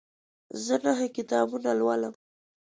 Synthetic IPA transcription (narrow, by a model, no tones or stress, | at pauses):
zənaɦakɪt̪ɑbunalwaləm